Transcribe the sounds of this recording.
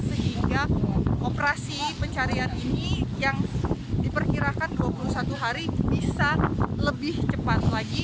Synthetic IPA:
səɦiŋɡaʔopɾasipəɲt͡ʃaɾianinijaŋdipərkiɾakanduapulusat̪uɦaɾibisaləbɪht͡ʃəpat̪̚laɡi

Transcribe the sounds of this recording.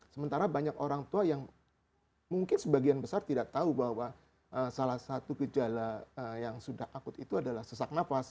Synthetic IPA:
səmənt̪aɾabaɲakoɾaŋt̪uajaŋ | muŋkɪnsəbaɡianbəsart̪idaʔt̪aubaɦwa | ʔəsalahsat̪uɡəd͡ʒalaəjaŋsudahakʊt̪it̪uadalahsəsak̚nafas

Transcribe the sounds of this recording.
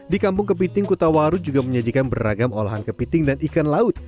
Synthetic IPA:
dikampʊŋkəp̬it̪ɪŋkut̪awaɾud͡ʒuɡaməɲadikanbəɾa̰ɡamo̰la̰ɦankəpit̪ɪŋdanikanlaʊt̪̚

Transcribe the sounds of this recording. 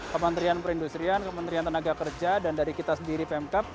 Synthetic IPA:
kəmənt̪ɾianpəɾindust̪ɾiankəmənt̪ɾiant̪ənaɡakərd͡ʒadandaɾikit̪asəndiɾipɛmkap̚

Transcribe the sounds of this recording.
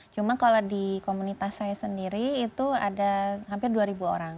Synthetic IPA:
t͡ʃumakalodikomunit̪asajasəndiɾiːt̪uadaɦampɪrduaɾibuo̰ɾaŋ

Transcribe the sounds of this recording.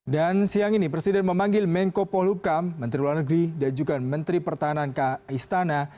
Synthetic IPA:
dansiaŋinipɾesidɛnməmaŋɡɪlmɛŋkopɔlukamːənt̪ɾiularnəɡɾidand͡ʒukanmənt̪ɾipərt̪aɦanankaist̪ana

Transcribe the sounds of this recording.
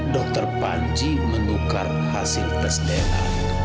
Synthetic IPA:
dɔk̚t̪ɔrpaɲd͡ʒi | məŋuka̰r | hasilkəsdɛla̰

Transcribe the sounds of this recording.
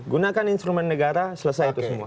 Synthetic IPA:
ɡunakaninst̪ɾumɛ̃nnəɡaɾasəlasajit̪usəmua

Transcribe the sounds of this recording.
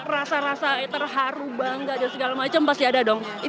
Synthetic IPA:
rasaɾasat̪ərɦaɾubaŋɡadansəɡalamat͡ʃampast̪iadadɔŋ | i

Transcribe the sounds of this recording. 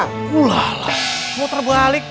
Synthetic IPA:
kulala | muot̪ərbalɪk̚

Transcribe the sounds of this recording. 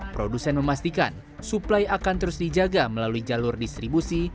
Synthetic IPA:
pɾodusɛnməmast̪ika̰n | suplajakant̪əɾʊsdid͡ʒaɡaməlaluid͡ʒalʊrdist̪ɾibusi

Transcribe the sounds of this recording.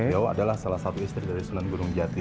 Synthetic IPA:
eawa̰dalahsalahsat̪uist̪ɾidaɾisunanɡuɾʊŋd͡ʒat̪i

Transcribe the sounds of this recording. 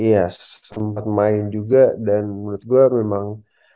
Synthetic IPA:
ijasəmpat̪̚maɪnd͡ʒuɡadanmunʊt̪̚ɡuamemaŋ

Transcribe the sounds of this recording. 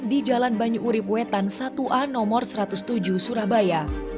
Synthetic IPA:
did͡ʒalanbaɲuʔːɾipuwɛt̪ansat̪uʔanɔmɔrsəɾat̪ʊst̪ud͡ʒuhsuɾahbaja

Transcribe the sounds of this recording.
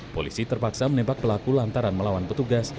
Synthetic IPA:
polisit̪ərpaksamənebak̚pəlakulant̪aɾanməlawanpət̪uɡas

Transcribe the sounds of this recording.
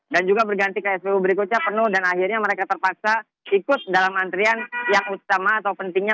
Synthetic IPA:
dand͡ʒuɡabərɡant̪ikaɛspeubəɾikoɲapənʊhdanahirɲaməɾekat̪ərpak̚sa | ikʊt̪̚dalamːant̪ɾianjaŋut̪amaːt̪awpənt̪ɪŋɲa

